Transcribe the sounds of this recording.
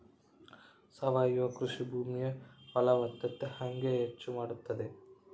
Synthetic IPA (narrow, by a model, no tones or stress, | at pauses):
sɐʋaːjuʋɐkɾuʂibʱuːmijɐʋɐlɐʋɐt̪ːɐt̪ːehɐŋɡeɦet͡ʃːumaːɽut̪ːɐd̪e